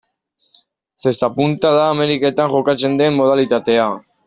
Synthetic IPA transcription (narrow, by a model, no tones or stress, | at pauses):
θe̞st̪apunt̪aðaːme̞ɾike̞t̪aŋʝo̞kat͡se̞nd̪e̞mːo̞ð̞alit̪at̪e̞a